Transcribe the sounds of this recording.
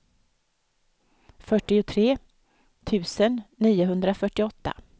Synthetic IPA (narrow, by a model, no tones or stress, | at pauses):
fœʈːɪʊt̪ʰɾeː | t̪ʰʉ̟ːsənːiːʊɦɵnd̪ɾafœʈːɪɔt̪ːa̰